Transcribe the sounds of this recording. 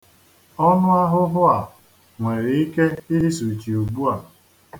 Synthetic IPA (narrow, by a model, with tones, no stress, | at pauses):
ɔ˦nʊ˦a˦ɦʊ˦ɦʊ˦a˨ | ŋʷe˨ɾi˨i˦ke˦i˦ɦi˦su˨t͡ʃi˨u˨ɡ͡bu˦a˨